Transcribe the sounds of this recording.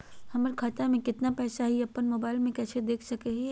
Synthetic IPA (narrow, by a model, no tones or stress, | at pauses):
hɐməɾkʰat̪amẽkɪt̪napɛːsaɦiɐpːənmoːbaːɪlmẽkɛːsʰed̪eːkʰsɐkeɦi